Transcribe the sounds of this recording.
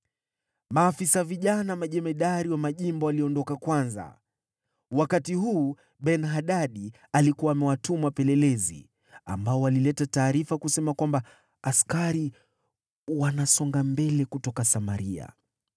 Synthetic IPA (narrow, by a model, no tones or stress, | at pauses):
maːfisaviʄanamaʄɛmɛɗaɾiwamaʄimbɔaliɔndɔkakwanza̰ | wakatiɦuː | ɓɛnɦaɗaɗi | alikuwaːmɛwatumapɛlɛlɛzḭ | a̰mbaɔwalilɛtataːɾifakusɛmakwamba | askaɾi | wanasɔŋɡambɛlɛkutɔkasamaɾia̰